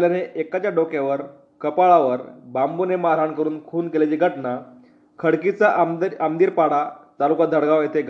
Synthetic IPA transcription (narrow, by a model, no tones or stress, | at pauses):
ljaneʔekat͡ɕjaɖokjaʋəɾ | kəpaɭaʋəɾbambunemaɾaɳkəɾuːnkʰuːnkelet͡ɕiɡʱəʈna | kʰəɽkit͡saəmd̪iːɾpaɽat̪alukad̪ʱəɽɡaʋjet̪ʰeɡʱ